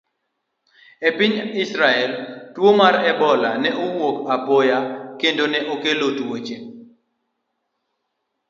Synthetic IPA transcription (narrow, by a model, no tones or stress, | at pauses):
epɪɲɪsɾaɛltwomaɾɛbɔlanɛowokapojakendonɛʔokelotwot͡ʃe